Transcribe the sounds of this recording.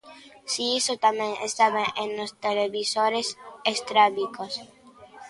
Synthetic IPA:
siisot̪ameŋest̪aβeʔẽnlost̪eleβisoɾesest̪ɾaβikos

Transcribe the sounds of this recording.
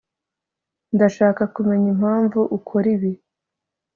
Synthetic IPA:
ndaʃaːkakume̞ɲim̥haːɱvuʔukʰoɾiβi

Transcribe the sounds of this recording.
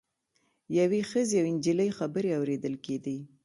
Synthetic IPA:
jawexəzeawɪnd͡ʒiləjxabəɾeawɾed̪əlked̪i

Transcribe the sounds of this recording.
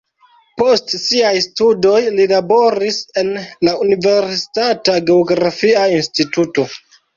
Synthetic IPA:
po̞stsiajstudo̞jlilabo̞ɾise̞nlaunive̞ɾsi̥tataɡe̞oɡɾafiainstituto̞

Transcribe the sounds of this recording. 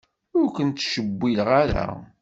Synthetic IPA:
ʊɾkʷənt̪ːʃəbːilʁaɾa̰

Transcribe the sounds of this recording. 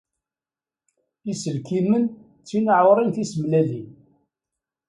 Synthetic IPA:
isəlkimən | t͡sːinəʕʊɾˤinθisəmlælin

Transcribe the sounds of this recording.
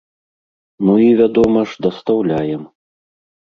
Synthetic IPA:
nuivʲad̪ɔmɐʐd̪ɐst̪awlʲajɛm

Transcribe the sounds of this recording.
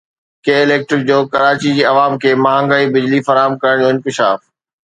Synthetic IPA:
keːɪleːk̚ʈɾɪk̚d͡ʑoːkɐɾaːt͡ɕid͡ʑiːɐʋaːmkʰeːmaːɦãŋɡaːibɪd͡ʑlifɐɾaːɦəmkɐɾəɽ̃d͡ʑoːɪ̃nkɪʃa̰ːf

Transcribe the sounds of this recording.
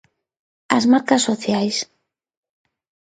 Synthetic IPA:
azmaɾkasːoθjajs

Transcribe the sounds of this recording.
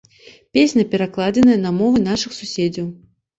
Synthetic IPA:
pʲesʲnʲɐpʲɛɾaklˠad͡zʲɐnɐjɛnɐmɔvɨn̪aʂɨxsusʲed͡zʲɐw

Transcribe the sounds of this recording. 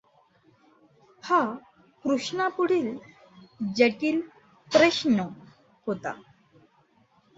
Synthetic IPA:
ha | kɾuʂnapuɽ̤iːl | d͡ʑeʈiːl | pɾeɕɳə | hot̪a̰

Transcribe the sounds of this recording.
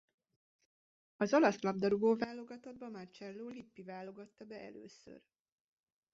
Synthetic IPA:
ɒzɒlɒslɒb̚d̪ɒɾuɡoːvaːlːo̞ɡɒt̪ɒd̪̚bɒmart͡ʃɛlːoːlipːivaːlo̞ɡɒt̪ːɒbɛʔɛ̰lø̰ːsø̰r

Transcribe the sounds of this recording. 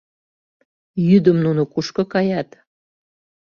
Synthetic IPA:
jyd̪əmnunokuʃkɤ̆kɑjɑt̪

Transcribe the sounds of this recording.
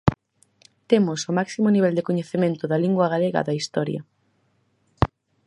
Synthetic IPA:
t̪emʊsʊmaksimʊniβ̞ɛld̪ekoɲeθemẽnt̪ʊðɐliŋɡwɐɣ̞aleɣɐ̰a̰ðɐist̪ɔɾjɐ̰

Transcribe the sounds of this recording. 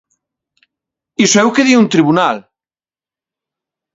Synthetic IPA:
isoɛwkeðiunt̪ɾiβunal

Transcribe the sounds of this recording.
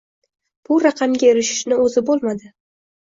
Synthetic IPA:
b̥ʊɾɑqʰɑmɡʲaeɾɪʃɪ̥ʃnɪɵzɪbolˠmad̪ɪ

